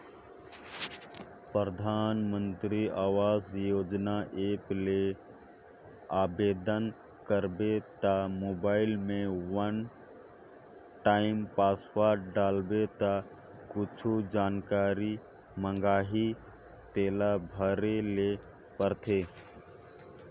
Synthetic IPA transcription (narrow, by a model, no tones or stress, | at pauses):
pɾɾəd̪ʱaːnmə̃nt̪ɾiaːʋaːzjoːd͡ʒnaʔeːple | aːbeːd̪ən | kəɾbet̪amoːbaːɪlmẽʋən | ʈaːɪmpaːswaɖaːlbet̪a | kʊt͡ʃʰud͡ʒaːnkaːɾi | mə̃ŋɡaːɦi | t̪eːlabʱəɾele | pəɾt̪ʰeː